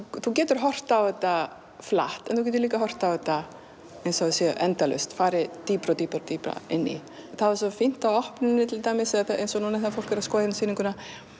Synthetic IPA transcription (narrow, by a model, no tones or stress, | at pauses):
θucɛːt̪ʏɾ̥ɦɔr̥t̪awðɛt̪ːa | fla̰ht̪ɛnθuc̬ɛːt̪ʏɾliːkaɦɔr̥t̪awvɛt̪ːa | ejnsɔsjɛʔɛnt̪alʏ̰st̪faːɾɪt̪iːpɾat̪iːpɾt̪iːpɾa̰ɪnːḭ | θaðasɔfin̥t̪awɔhpnɪnːɪt̪ʰɪlt̪aːmɪsɛθaejnsɔnunɛθafowl̥kɛɾaðskɔːðɪt̪nsiːnɪŋkʰʏna